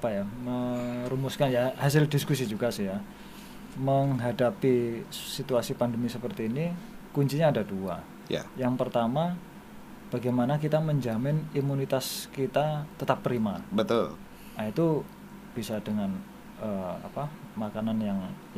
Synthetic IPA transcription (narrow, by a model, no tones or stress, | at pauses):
apajaməɾumʊskanjahasɪldiskus̬id͡ʒuɡasɪja | məŋɦadapisit̪uasipandəmisəpərt̪iːni | kuɲt͡ʃiɲaːdadua | ja̰jaŋpərt̪ama | b̥aɡajmanakit̪aməɲd͡ʒamɪnimunit̪askit̪at̪ət̪ap̚ːɾimabət̪ʊl | ait̪u | b̥isadəŋan | əa̰pa | makananjaŋ